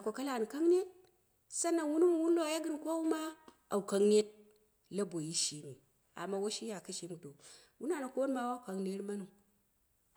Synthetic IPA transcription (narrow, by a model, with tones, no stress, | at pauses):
a˨kʷo˨ka˦la˨ni˨ka˦ŋne˦t̚ | sa˦na˨wu˦nu˦m˨wu˦n˦lo˦a˨ja˦ɡɨ˦n˨kʷo˦wu˦ma˦ | a˨wu˨ka˦ŋne˦t̚ | la˦bo˨ji˦ʃi˨ni˨ | a̰˨mːa˦wo˦ʃi˦ja˨ka˦ʃi˦m˨do˨ | wu˦na˦˨na˨ko˦n˦ma˦wa˦u˨ka˨ŋne˦ɾma˦nu˨ŋ